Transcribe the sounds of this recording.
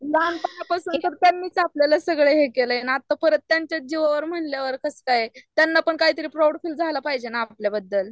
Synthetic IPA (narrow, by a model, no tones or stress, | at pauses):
lanpajapasuːnt̪əɾt̪janːiːt͡sapljalasəɡɭeɦekeləjenaːt̪ːapəɾət̪ːjaɲt͡ɕjad͡ʑiʋaʋəɾm̤əɳljaʋəɾkəskajet̪janːapəɳkaɦiːt̪əɾiːpɾawɽfiːld͡zʱalapaɦid͡ʑenaːpljabəd̪ːəl